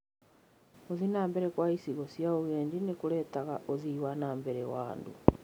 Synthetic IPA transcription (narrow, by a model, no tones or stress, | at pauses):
ozinaːmbeɾekwaisiɣosjauɣeːɲdinekulɛtaɣaʔoziwanaːmbeɾɛwa̰ːndṵ